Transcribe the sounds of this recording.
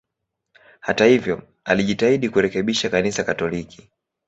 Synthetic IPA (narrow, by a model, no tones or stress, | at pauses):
hatahivjɔ | aliʄitaiɗikuɾɛkɛɓiʃakanisakatɔliki̥